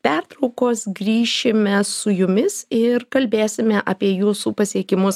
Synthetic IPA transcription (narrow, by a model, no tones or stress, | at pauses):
pʲɛrt̪ɾɔʊkoːsɡɾʲiːʃʲɪmʲɛsʊjʊmʲɪsɪɾkɐlʲbʲeːsʲɪmʲɛʔɐːpʲiɛjuːsuːpɐsʲiɛkʲɪmʊs